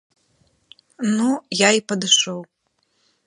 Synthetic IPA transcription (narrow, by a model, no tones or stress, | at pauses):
nujaipɐd̪ɨʂɔw